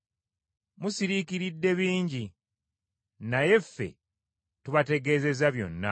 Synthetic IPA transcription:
musiɾikiɾidːe̞βiːɲɟi | naje̞fːe̞̰ | tuβate̞ɡe̞ːze̞zaβjo̞̰nːa̰

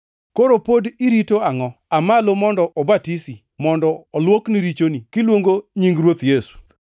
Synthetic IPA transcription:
koɾopodiɾitoaŋɔamalomɔndɔʔɔbatisi | mɔndɔːlwokniɾit͡ʃonikɪlwoŋɡoɲiŋɡɾwot̪jesu̥

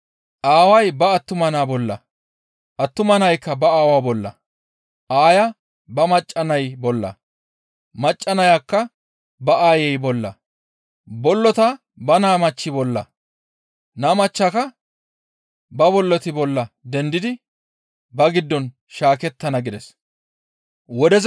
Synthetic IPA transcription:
ʔaːwɐjbɐːt̪ːʊmɐnaːbɔlːɐ̰ | ʔɐt̪ːʊmɐnɐjkːɐbɐaːwabɔlːɐ̰ | ʔaːjɐ | bɐmɐt͡ʃʼːɐnɐjbɔlːɐ̰ | mɐt͡ʃʼːɐnɐjakːɐ | bɐʔaːjɛjbɔlːɐ̰ | bɔlːɔt̪ɐ | bɐnaːmɐt͡ʃːɪbɔlːɐ̰ | naːmɐt͡ʃːakɐ | bɐbɔlːɔt̪ɪbɔlːɐd̪ɛnd̪ɪd̪ɪ | bɐɡɪd̪ːɔn | ʃaːkɛt̪ːɐnɐɡɪd̪ɛs | wɔd̪ɛz

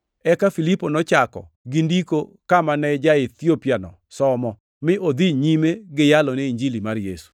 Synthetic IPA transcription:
ɛkafiliponɔt͡ʃakɔ̰ | ɡɪndikokamanɛd͡ʒaɪt̪jopjanɔ̰sɔmɔ | mɪʔod̪iɲimeɡɪjalɔnɛiɲd͡ʒilimarjḛsu̥

